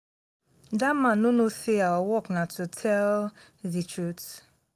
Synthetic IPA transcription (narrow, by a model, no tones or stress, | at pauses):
damãnonoseawawɔknatʰutʰɛl | ðit͡ʃʰɹut